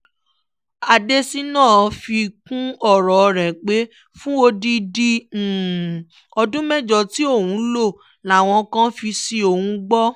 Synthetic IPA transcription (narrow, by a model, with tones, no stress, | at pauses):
a˨de˦si˦nãː˦˨˦fi˧kũ˦ɔ˦˨ɾɔ˨˧ɾɛ̃˨k͡pe˨˦ | fũ˦o˧di˧di˦˨ | ɔ˧dũ˦mɛ˦d͡ʒɔ˨ti˨˦o˦˨wũ˨˦lo˦˨ | la˨w̃ɔ̃˧kã˦fi˧si˧o˨hũ˧ɡ͡bɔ˦